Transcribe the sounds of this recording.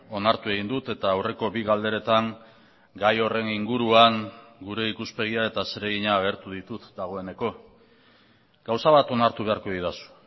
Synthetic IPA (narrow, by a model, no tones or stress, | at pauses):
o̞naɾt̪ue̞ɣ̞ind̪ut̪e̞t̪aːwre̞ko̞βiɣald̪e̞ɾe̞t̪aŋ | ɡajo̞re̞niŋɡuɾuaŋ | ɡuɾe̞ikuspe̞ɣ̞iae̞t̪aseɾeɣiɲaːɣ̞e̞ɾt̪uðit̪ut̪d̪aɣ̞o̞e̞ne̞ko̞ | ɡ̥awsaβ̞at̪o̞naɾt̪uβe̞aɾko̞ðiðasu̥